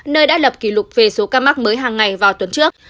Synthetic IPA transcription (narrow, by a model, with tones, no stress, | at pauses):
nəː˧jɗa̰ː˧˥lə˨˩p̚ki˧˩lʊ˨˩k͡p̚ve˨˩so˨˦kaː˧ma˦˥k̚məː˨˦jɦaː˨˩ŋːa˨˩jvaː˨˩wt̪wə˨˦nt͡ɕɨ˦˥ək̚